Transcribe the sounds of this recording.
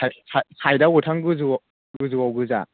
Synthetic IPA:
ajsʰasʰajdautʰaŋɡɯzu | ɡɯzuwawɡɯza̰

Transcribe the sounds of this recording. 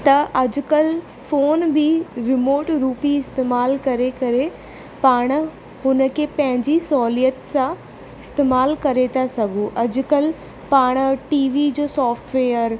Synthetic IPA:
t̪ɐʔɐd͡ʑʊ̆kəl | foːnbɪɾɪmoːʈɾuːpiɪst̪eːmaːlkɐɾekɐɾe | paːɽ̃ | ɦʊnəkʰepɐ̃ɦɪ̃ɲd͡ʑisɔːlijət̪sã | ɪst̪eːmaːlkɐɾet̪ʰasɐɡʱuʔɐd͡ʑʊkəl | paːɽ̃ʈiːʋid͡ʑoːsɔːfʈʋeːəɾ

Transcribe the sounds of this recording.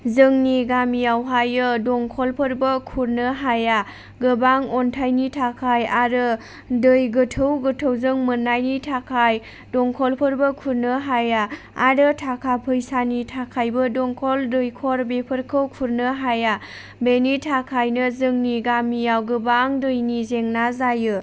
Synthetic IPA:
zɯŋniɡamijawɦajɯdɔŋkʰɔlpʰɯɾbəkʰuɾnəɦaja | ɡɯbaŋɔntʰajnitʰakʰajaɾɯ | dɯjɡɯtʰɯwɡətʰəwzɯŋmənːajnitʰakʰaj | dɔŋkʰɔlpʰɯɾbəkʰuɾnɯɦaja | aɾɯtʰakʰapʰɯjsanitʰakʰajbɯdɔŋkʰɔldɯjkʰɔɾbepʰɯɾkʰɯwkʰuɾnɯɦaja | benitʰakʰajnɯzɯŋniɡamijawɡɯbaŋdɯjnizeŋnazajɯ

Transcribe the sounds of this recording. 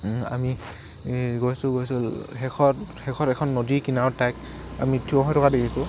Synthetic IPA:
a̰mi | ɡojsʊ̃ɡojsulɦɛkʰɔhɛkʰɔtɛkʰɔnːodikinawtajk | a̰mitʰiɔɦɔjtʰɔkadekʰisʊ̃

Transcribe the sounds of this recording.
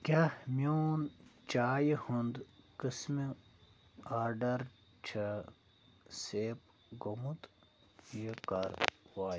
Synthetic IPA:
kʲamjoːnt͡ʃaːjihund̪kɨsmi | aːɾɖɐɾ | t͡ʃʰɐ | seːp̚ | ɡomut̪ | jekɐɾwaːj

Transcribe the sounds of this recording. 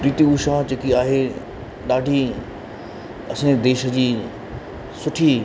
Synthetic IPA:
pɾiːt̪iuʃãd͡ʑeːkiaːɦe | ɗaːɖʱi | ɐsẽd̪eːʃə̆d͡ʑiː | sʊʈʰi

